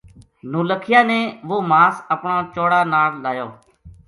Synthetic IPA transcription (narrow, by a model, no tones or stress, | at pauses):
noːləkʰɪjaːnẽːʋoːmaːsəpɳãːt͡ʃoːɽaːnaːɽlaːjoː